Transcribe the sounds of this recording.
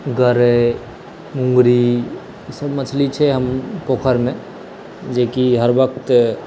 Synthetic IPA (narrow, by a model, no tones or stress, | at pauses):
ɡəɾe | mũŋɡɾi | səbmət͡ʃʰlit͡ʃʰɛɦəmpoːkʰəɾmẽ | d͡ʒekiɦəɾʋəkt̪